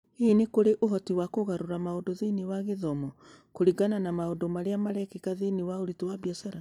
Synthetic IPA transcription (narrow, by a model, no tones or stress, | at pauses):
inekoɾeʔoɦɔtiwakoɣaɾoɾamaodoðiniwaɣeðɔmɔ | koɾiɡananamaondomaɾeamaɾɛkekaðiniwaoɾitowabjasaɾa